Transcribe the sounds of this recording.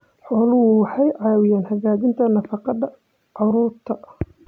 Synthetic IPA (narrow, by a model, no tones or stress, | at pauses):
ħɔːlʊwʊwɑħɑjʕɑːwɪjaːnhɐɣaːɣɪnt̪ʰɐnɐfɑqɑðɐ | ʕɑɾuːɾt̪ʰɐ